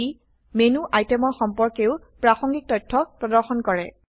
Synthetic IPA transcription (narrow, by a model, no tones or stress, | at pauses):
i | menuʔajtɛmɔɹxɔmpɔɹkeʊ | pɹaxɔŋɡik̚tɔjtʰːɔpɹɔdɔɹxɔnkɔɹɛ̰